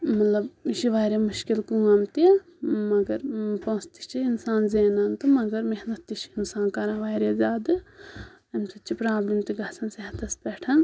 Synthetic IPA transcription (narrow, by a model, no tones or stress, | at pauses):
mɐt̪lɐbʃiʋaːɾemuʃkilkuːɐmt̪i | mɐɡɐɾpõːst̪i̥t͡ʃiinsaːnzeːnɐːnt̪ɨmɐɡɐɾmeɦnɐt̪ːiʃiinsaːnkɐɾãːʋaːɾazʲaːd̪ɨ | ɐmsɐt͡ʃʰːipɾaːblimt̪iɡʱɐsɐnseɦɐt̪ɐspɛʈʰɐn